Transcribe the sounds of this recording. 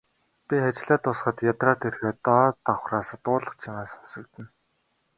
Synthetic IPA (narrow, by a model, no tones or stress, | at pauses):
pʲiχat͡ɕɮæːt̪ʊsχə̆t̪jat̪raːt̪ʰerxeːt̪ɔt̪awχraːsăt̪ʊːɮə̆χt͡ɕʰiŋaːsʊ̥sɵ̆kt̪ɘ̆n